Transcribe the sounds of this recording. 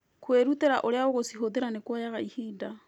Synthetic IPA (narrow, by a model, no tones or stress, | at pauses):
kweɾuteɾaʔoɾeaoɣosiɦodeɾanekwajaɣaihiːda